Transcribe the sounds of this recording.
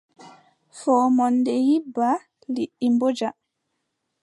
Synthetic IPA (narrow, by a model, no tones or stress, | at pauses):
fɔːmɔndɛjibːa | liʔːimbod͡ʒa